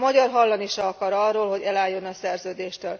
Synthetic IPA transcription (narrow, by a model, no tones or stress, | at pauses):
mɒɟɒrɦɒlːɒniʃɒɒkɒɾɒrːoːlɦo̞ɟɛlaːjːo̞nɒsɛrzøːd̪eːʃt̪øːl